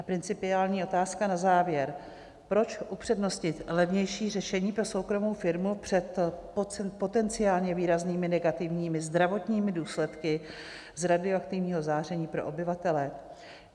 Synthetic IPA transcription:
ʔapɾɪnt͡sɪpɪaːlɲiːo̞t̪aːskanazaːvjɛɾ | pɾo̞t͡ʃʔupr̥ɛdno̞scɪt̪lɛvɲɛjʃiːrɛʃɛɲiːpɾo̞sowkɾo̞mo̞wfɪɾmupr̝̥ɛt̪popo̞t̪ɛnt͡sɪaːlɲɛviːɾazniːmɪnɛɡat̪ɪvɲiːmɪzd̪ɾavo̞t̪ɲiːmɪduːslɛt̪kɪ | zɾadɪoakt̪ɪvɲiːɦo̞zaːr̝ɛɲiːpɾo̞ʔobɪvat̪ɛlɛ

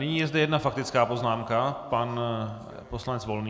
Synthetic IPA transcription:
nɪɲiːjɛzdɛjɛdnafak̚t̪ɪt͡skaːpo̞znaːmkapan | po̞slanɛt͡svo̞lniː

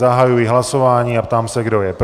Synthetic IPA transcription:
aɦajujiɦlasɔʋaːɲiːapt̪aːmsaɡd̪ɔjɛp

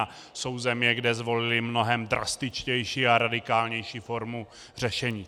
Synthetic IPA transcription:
so̞wzɛmɲɛɡdɛzvo̞lɪlɪmno̞ɦɛmd̪ɾa̰st̪ɪt͡ʃcɛjʃiːaɾadɪkaːlɲɛjʃiːfo̞ɾmu | r̝ɛʃɛɲiː

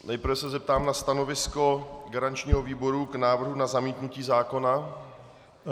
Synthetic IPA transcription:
nɛjpɾvɛsɛzɛp̚t̪aːmnast̪ano̞vɪsko̞ɡaɾant͡ʃɲiːɦoviːboɾuɡnaːvr̩ɦunazamiːt̪nuciːzaːko̞na

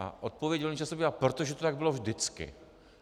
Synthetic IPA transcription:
a̰ʔot̪̚povjɛɟɦolɲiːt͡ʃasobiapɾot̪oʒɛt̪ot̪aɡ̚bɪlovʒdɪt͡skɪ̰

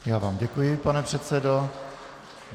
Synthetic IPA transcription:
jaːvaːmɟɛkujɪpanɛpr̥ɛt̪sɛdo

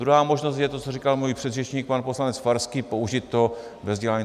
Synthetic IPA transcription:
ɾuɦaːmoʒnostjɛt̪ot͡sorikalmuːjpr̝̥ɛd̪rɛt͡ʃɲiːk̚panpo̞slanɛt͡sfaɾskipouʒɪt̪ːo̞ | vɛvzɟɛlaɲi

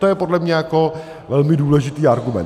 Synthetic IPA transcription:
t̪ojɛpodlɛmɲɛjako | vɛlmɪduːlɛʒɪt̪iːaɾɡumɛ̰n

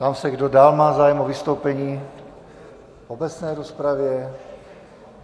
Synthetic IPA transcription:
t̪amsɛɡdodaːlmaːzaːjɛmovist̪owpɛɲiː | obɛt͡snɛjɾospɾavjɛ

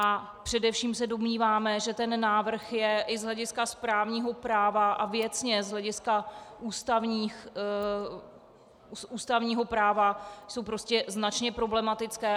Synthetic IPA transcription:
ʔa | pr̝̥ɛdɛfʃiːmsɛdo̞mɲiːvaːmɛʒɛt̪ɛnːaːvr̩xjɛʔɪzlɛɟɪskaspɾaːvɲiːɦo̞pɾaːvaʔavjɛt͡sɲɛzɦlɛɟɪskaʔuːst̪avɲiːx | usʔuːst̪avɲiːɦo̞pɾaːvaso̞wpɾo̞scɛznat͡ʃɲɛpɾo̞blɛmat̪ɪt͡skɛː

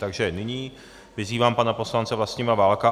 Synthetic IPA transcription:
t̪aɡʒɛnɪɲiː | vɪziːvaːmpanapo̞slant͡sɛvlast̪ɲiːmavaːlka

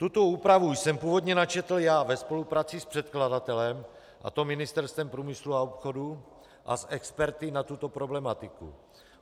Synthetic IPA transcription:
t̪ut̪o̞uːpɾavujsɛmpuːvo̞d̪ɲɛnat͡ʃɛt̪l̩jaːvɛspo̞lupɾaːt͡sɪspr̝̥ɛt̪kladat̪ɛlɛm | ʔa̰t̪o̞mɪnɪst̪ɛɾst̪vɛmpɾuːmɪsluaopxo̞du | ʔa̰sʔɛkspɛɾt̪ɪnat̪ut̪o̞pɾo̞blɛmat̪ɪkṵ

